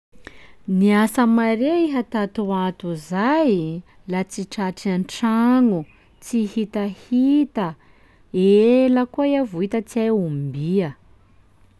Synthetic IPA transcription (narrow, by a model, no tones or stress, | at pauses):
niasəmaɾeiɦət̪at̪uat̪uzaj | lat͡siʈ͡ʂaʈ͡ʂianʈ͡ʂaŋu | t͡sihit̪əhit̪ə | eləkueavuit̪ət͡siaumbiə